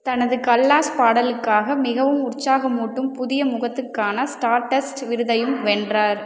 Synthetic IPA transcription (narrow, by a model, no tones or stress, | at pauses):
t̪ɐnɐðɯkɐlːaːspaːɽɐlɯkːaːɣɐmɪɣɐʋɯmʊrt͡ʃaːɣɐmuːʈːɯmpʊðɪjɐmʊɣɐt̪ːɯkːaːnɐsʈaːɾʈɐsʈʋɪɾɯðɐjɯmʋɛndraːɾ